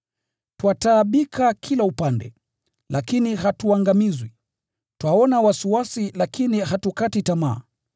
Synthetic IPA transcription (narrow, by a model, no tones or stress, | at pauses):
twataːɓikʰakʰilaupandɛ̰ | lʔakiniɦatuaŋɡamizwi | twaɔnawasiwasilakiniɦatukatitama̰ː